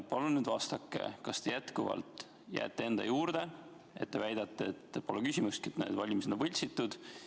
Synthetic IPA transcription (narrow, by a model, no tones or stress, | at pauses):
pɑlunyːd̪vɑst̪ɑkːe̞̰kɑst̪e̞jæt̪kuvɑ̰lt̪ˑ | jæ̰ːt̪ːˑee̞nd̪ɑ̰juːɾd̪̥e̞ | et̪̚ːevæjd̪̥ɑt̪ːeet̪ːepo̞lekysʲimust̪kiet̪ːnḛd̪vɑlʲimised̪onvɤlʲsit̪ːˑud̪̥